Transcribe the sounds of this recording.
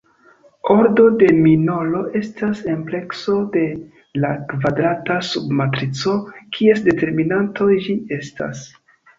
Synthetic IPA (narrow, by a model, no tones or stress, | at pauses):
o̞ɾdo̞de̞mino̞lo̞ʔe̞stase̞mple̞kso̞de̞ | lakvadɾatasubmatɾit͡so̞kʰie̞sde̞te̞ɾminantʰo̞ʒie̞sta̰s